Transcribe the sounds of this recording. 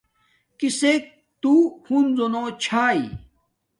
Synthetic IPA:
kisek̚ | t̪uhunzonõt͡ɕʰaːi

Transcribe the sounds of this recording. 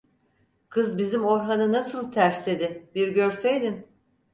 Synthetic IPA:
kʰɯzbizimo̞ɾɦanɯnasɯlˠt̪ʰæɾslʲe̞d̪ɪbiɾɟø̞ɾsejd̪in

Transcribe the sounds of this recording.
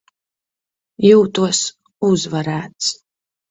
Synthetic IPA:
juwt̪ʰuɔs | uzvɐɾæːt̪s

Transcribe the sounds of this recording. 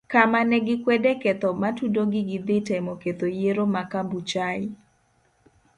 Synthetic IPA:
kamanɛɡɪkwɛdeket̪ɔmatudoɡɪɡɪd̪ɪtɛmɔket̪ojeɾomakambut͡ʃaɪ

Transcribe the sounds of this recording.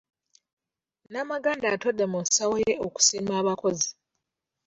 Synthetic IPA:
naːmaɡaːndato̞dːemusawoje̞oku̥siːmaːβako̞zi

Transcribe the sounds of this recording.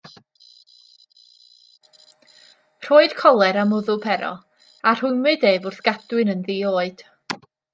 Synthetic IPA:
r̥oːɨd̥kʰɔlˠɛɾamʊðʊpʰɛɾɔ̰ | ar̥ʊnmɨdeːvʊrθɡ̥adwɨnənðiːoːɨd̥

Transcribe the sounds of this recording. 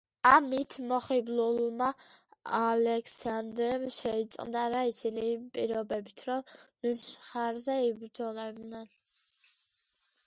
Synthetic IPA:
amit̪ʰmɔχiblulmaalɛkʰsand̪ɾɛmʃɛit̪sʼqʼnd̪aɾait̪sʰinipʼiɾɔbɛbit̪ʰɾɔnusχaɾzɛibɾd̪zɔlɛbnɛn

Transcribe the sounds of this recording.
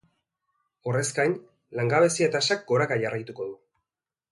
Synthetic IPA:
o̞re̞skajn | laŋɡaβ̞e̞siet̪asak̚ɡo̞ɾakaʝarajt̪uko̞ðu

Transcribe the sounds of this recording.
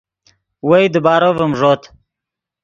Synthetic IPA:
wejd̪əbɑːɾovəmʐot̪

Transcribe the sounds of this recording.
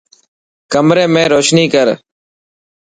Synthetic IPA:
kəmɾeːmẽːɾoːʃniːkəɾ

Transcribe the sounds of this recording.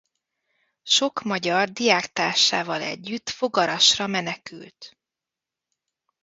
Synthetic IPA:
ʃo̞kmɒɟɒrd̪ijaːkt̪aːrʃaːvɒlɛ̰ɟːyt̪ːfo̞ɡɒɾɒʃrɒmɛnɛky̰lt̪

